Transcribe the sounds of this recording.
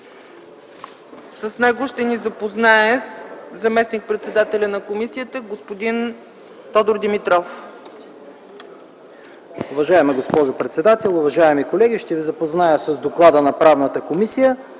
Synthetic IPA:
səsnɛɡoʃt̪ɛnizɐpoznaɛszɐmɛsnik̚pɾɛt̪sɛd̪at̪ɛlʲənɐkomisijət̪əɡospod̪in | t̪ɔd̪oɾd̪imit̪ɾɔf | ʊvɐʒaɛməɡospɔʒʊpɾɛt̪sɛd̪at̪ɛlˠʊvɐʒaɛmikolɛɡiʃt̪ɛvizɐpoznajəsɐzd̪oklˠad̪ənɐpɾavnət̪əkomisijə

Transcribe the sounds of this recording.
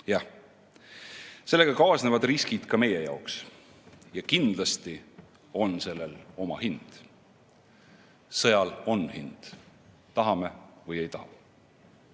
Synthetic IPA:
jɑh | se̞lːe̞ɡ̥ɑkɑːsnevɑd̪riskid̪̥kɑme̞jejɑ̰oks | jɑkind̪̥lɑst̪i | o̞nse̞lːe̞lo̞mɑ̰hind̪̥ | sɤjɑlo̞nhind̪̥ | t̪ɑɦɑme̞vɯje̞jt̪ɑhɑ

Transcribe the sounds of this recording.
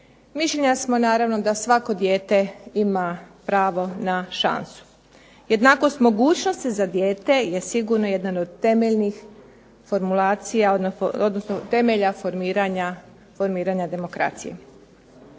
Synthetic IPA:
miʃʎʲeɲasmo̞naːɾaʋno̞d̪asʋako̞d̪jeːt̪e̞imapɾaːʋo̞naʃa̰nsu̥ | je̞d̪nako̞st̪mo̞ɡuːt͡ɕno̞st̪izad̪je̞ːt̪e̞jesiɡuɾnoje̞d̪nanod̪̚t̪e̞meʎnix | fo̞ɾmulaːt̪sijaood̪nosnot̪e̞meʎafoɾmiːɾaɲa | fo̞ɾmiːɾaɲad̪e̞mo̞kɾa̰t̪sijḛ

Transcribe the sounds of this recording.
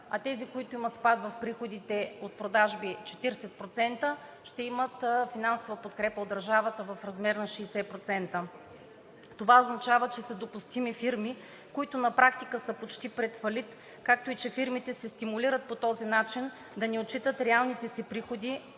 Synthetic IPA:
ɐt̪ɛzikoit̪oʊimət̪spat̪vɐfpɾixod̪it̪ɛot̪̚pɾod̪aʒbit͡ʃɛ̥t̪iɾsɛt̪̚pɾot̪sɛnt̪ə | ʃt̪ɛimət̪finansovəpot̪kɾɛpəod̪ːɐɾʒavət̪əvɐfɾɐzmɛɾnɐʃɛːsɛpɾot̪sɛnt̪ə | t̪ovaoznɐt͡ʃavət͡ʃɛsəd̪opust̪imifiɾmi | koit̪ʊnɐpɾak̚t̪ikəsəpot͡ʃt̪ipɾɛt̪fɐlit̪ | kak̚t̪oit͡ʃɛfiɾmit̪ɛsɛst̪imuliɾət̪̚pot̪ɔzinat͡ʃin | d̪ɐnɛot͡ʃit̪ət̪ɾɛalˠnit̪ɛsipɾixod̪i

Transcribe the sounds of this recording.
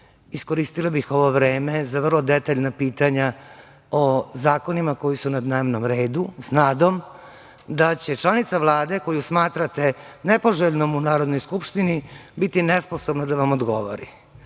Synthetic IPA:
isko̞ɾist̪ilˠabixo̞ʋo̞ʋɾeːmezaʋrlˠod̪et̪aʎnapiːt̪aɲa | ozaːko̞nimako̞jisunad̪neːmnomɾeːd̪usnaːd̪o̞m | d̪at͡ɕe̞t͡ʃlˠanit̪saʋlˠaːd̪eko̞jusmaːt̪ɾat̪e̞nepo̞ʒeʎnomunaːɾod̪no̞jskupʃt̪inibit̪inesposobnad̪aʋamod̪ɡo̰ʋo̰ɾḭ

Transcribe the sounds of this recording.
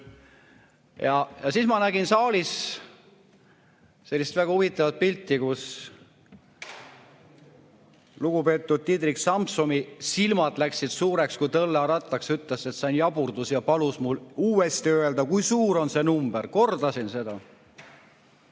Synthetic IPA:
jɑjɑsismɑnæɡinsɑːlʲis | se̞lʲːist̪væɡ̥ɑuvit̪ːˑɑvɑt̪̚pilʲt̪ːˑikus | luɡ̥upe̞ːt̪ːˑud̪̥̚t̪id̪riksɑmpsomisilmɑd̪læksid̪̥suːɾe̞kskujt̪ɤlːɑɾɑt̪ːˑɑksyt̪ˑlese̞t̪sɑnjɑb̥urd̪usjɑpɑlusmuluːe̞st̪iø̞e̞ld̪ɑkujsuːɾo̞nse̞numb̥erko̞rd̪̥ɑsinse̞d̪ɑ

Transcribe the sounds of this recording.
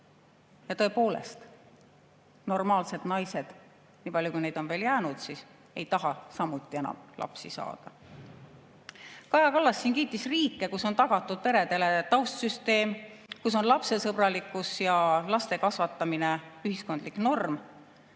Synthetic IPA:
jɑt̪ɤ̞epo̞ːle̞̰st̪ | no̞rmɑːlse̞d̪̥nɑjse̞d̪̥ | niːpɑljukujne̞jd̪̥o̞nve̞ːljæːnud̪̥siːs | e̞̰jt̪ɑɦɑsɑmːut̪ːˑie̞nɑ̰mlʔɑ̰psisɑ̰ːd̪̥ɑ | kɑjɑkɑlːɑsːiːnkiːt̪ːˑisriːkːˑe̞kusːo̞nt̪ɑɡ̥ɑt̪ˑːud̪̥̚pe̞ɾe̞d̪e̞le̞t̪ɑwst̪syst̪e̞ːmkus̬o̞nlɑpse̞sɤb̥rɑlikːˑusjɑlɑst̪e̞kɑsvɑt̪ːˑɑmine̞yhisko̞nd̪̥likno̞rm

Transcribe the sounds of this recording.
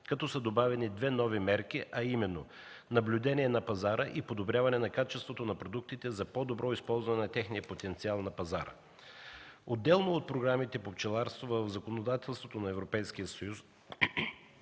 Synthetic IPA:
kɐt̪ɔsəd̪obavɛnid̪vɛnɔvimɛɾkiʔɐimɛnːo | nɐblʲuʊd̪ɛniɛnɐpɐzaɾəʔipod̪obɾʲjavɐnɛnɐkat͡ʃɛst̪vot̪onɐpɾod̪uk̚t̪it̪ɛzɐpɔd̪obɾɔispɔlˠzvɐnɛnɐt̪ɛxnijəpot̪ɛnt̪sialˠnɐpɐzaɾə̰ | od̪ːɛlˠnoːt̪̚pɾoɡɾamit̪ɛpopt͡ʃɛlˠaɾst̪vovəvzɐkonod̪at̪ɛlˠst̪vot̪onɐɛvɾopɛjsk̟ijəsɐjus

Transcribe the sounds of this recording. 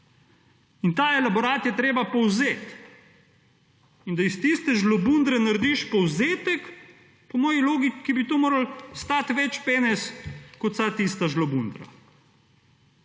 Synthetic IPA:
int̪aːɛlabɔɾaːt̪jɛt̪ɾeːbapɔwzeːt̪ | ind̪aist̪ist̪ɛʒlɔbund̪ɾɛnaɾd̪iʃpɔwzeːt̪ɛk | pɔmɔːjiloːɡikibit̪oːmoːɾalst̪aːt̪ʋɛt͡ʃpeːnɛskɔt̪sat̪ist̪aʒlɔbund̪ɾa̰

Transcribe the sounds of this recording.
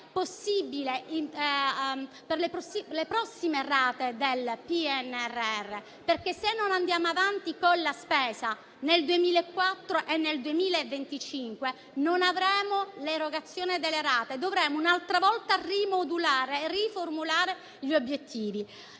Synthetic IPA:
pːosːibilei | perlepɾsilepɾɔsːimeraːt̪ed̪elpiɛnɛrːɛrːe | perkesenːonand̪jaːmoavant̪ikonːaspɛːza | neld̪uemiːlaekːwat̪ːɾoʔenːeld̪uemiːlaevːent̪it͡ʃiŋkwe | nonavɾɛːmoleɾoɡat̪sːjɔːnid̪elːeɾaːt̪ed̪ovɾɛːmounalt̪ɾavɔlt̪arimod̪ulaːɾeːriformulaːɾe | ʎiobjet̪ʰːiːvi

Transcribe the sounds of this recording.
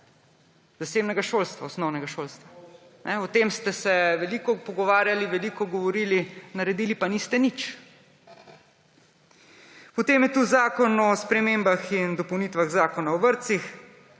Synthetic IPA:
zaseːbnɛɡaʃoːlst̪ʋaosnɔwnɛɡaʃolst̪ʋa | nʔɛɔt̪eːmst̪ɛsɛʋɛliːkɔpɔɡɔʋaːɾjaliʋɛliːkɔɡɔʋɔɾiːlinaɾɛd̪iːlipanist̪ɛnit͡ʃ | pɔt̪eːmjɛt̪uzaːkɔnɔspɾɛmeːmbaxind̪ɔpɔwnit̪ʋaɣzaːkɔnaɔʋəɾt̪six

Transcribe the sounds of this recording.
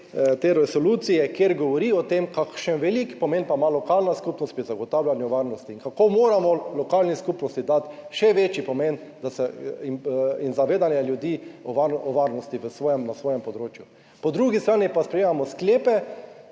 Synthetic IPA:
t̪eɾɛsɔlut̪sijɛkjeɾɡɔʋɔɾiɔt̪emkakʃənʋɛlikpɔmenpamalɔkalnaskupnɔst̪pɾizaɡɔt̪awlanjɛʋaɾnɔst̪iːnkakomoːɾamɔlɔkaːlniskupnɔst̪id̪at̪ʃɛʋeːt͡ʃipɔmend̪asɛ | inzaʋeːd̪anjɛljud̪iːɔʋaɔʋaɾnɔst̪iʋəsʋɔːjɛmnasʋoːjɛmpɔd̪ɾoːt͡ʃjʊ | pɔd̪ɾuɡist̪ɾaːnipaspɾɛjeːmamɔskleːpɛ

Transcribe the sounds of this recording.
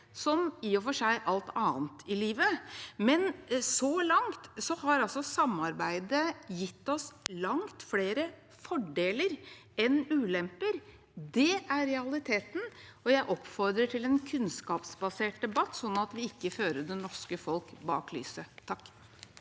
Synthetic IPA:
sɔmiːɔfɔʂæɪʔɑlt̪ʰɑːnt̪ʰɪliːʋəmɛnsɔlɑŋt̪sɔhɑɾɑlsɔsɑmːɑɾbæɪd̪əjɪt̪ːɔslɑŋt̪fleːɾə | fɔɖeːləɾ | ɛnʉːlɛmpəɾ | d̪ɛæɾːɛɑlɪt̪ʰeːt̪nɔjæɪʔɔpfɔɾd̪ɾəʈʰɪlɛnkʰʉnskɑːpsbɑseːʈ̚d̪ɛbɑt̪ːsɔnːɑt̪ʋɪɪkːəføːɾəd̪ɛnɔʂkəfɔlkbɑ̰ːkly̰ːsət̪ʰɑkː

